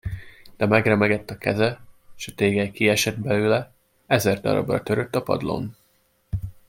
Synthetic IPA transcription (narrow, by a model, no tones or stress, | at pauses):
d̪̥ɛmɛɡrɛmɛɡɛt̪ːɒkʰɛzɛʃɒt̪eːɡɛjkiɛʃɛd̪̚bɛlyːlɛ | ɛzɛrd̪ɒ̰ɾɒ̰brɒ̰t̪ø̞ɾø̞t̪ːɒpɒ̰d̪lo̞̰n